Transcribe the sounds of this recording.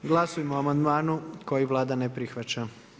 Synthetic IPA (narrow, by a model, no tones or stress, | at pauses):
ɡlˠasujimoamand̪maːnuko̞jiʋlˠaːd̪anepɾixʋat͡ɕa